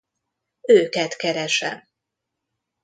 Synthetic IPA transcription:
øːkɛt̪kɛɾɛʃɛ̰m

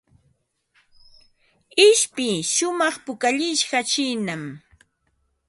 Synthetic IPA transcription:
ɪʃpɪʃʊmɑχpʊkaʎɪʃɢat͡ʃɪːnam

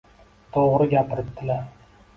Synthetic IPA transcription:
t̪ʰoʁɾɨɡʲapɪɾɪtt̪ːɪlaɾ

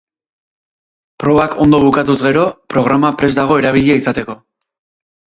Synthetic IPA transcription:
pɾo̞βakʰo̞nd̪o̞β̞ukat̪uzɣe̞ɾo̞pɾo̞ɣ̞ɾamapɾe̞zd̪aɣ̞o̞eɾaβ̞iʎiaisat̪e̞ko̞

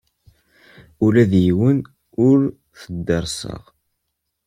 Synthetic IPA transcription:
ulæðjiwən | ʊɾ | θəd̪ːəɾˤsə̰ʁ

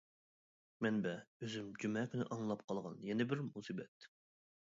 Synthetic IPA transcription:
mɛnbɛøzymd͡ʒymɛkʲʰynɪ̰ʔɑŋlˠɑpqʰɑlˠʁɑnjɛnɪbɪɾmusibɛt̪̚

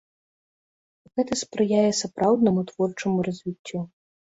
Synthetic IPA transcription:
ɣɛt̪ɐspɾɨjajɛsapɾawd̪nɐmut̪v̥ɔrt͡ʂɐmurɐzʲvʲit͡sʲːu

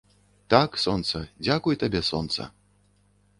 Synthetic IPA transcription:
t̪aksɔnt̪sɐd͡zʲakujt̪abʲɛsɔ̰nt̪sɐ̰

